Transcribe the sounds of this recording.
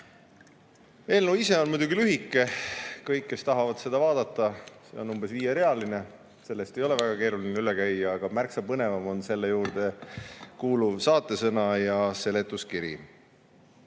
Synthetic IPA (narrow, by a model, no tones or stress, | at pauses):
e̞ːlnuise̞o̞nmujd̪uɡilyɦikːˑe̞kɤjkːe̞st̪ɑɦɑvɑd̪̥se̞d̪̥ɑvɑːd̪̥ɑt̪ːˑɑse̞̰o̞nːumb̥e̞sviːjeɾe̞ɑline | se̞lːest̪e̞jo̞le̞væɡ̥ɑke̞ːɾulineylekæjɑːɡ̥ɑmærksɑpɤne̞vɑmo̞nse̞lːejuːɾd̪̥e̞kuːluvsɑːt̪ːˑe̞sɤnɑjɑse̞le̞t̪ːˑuskiɾḭ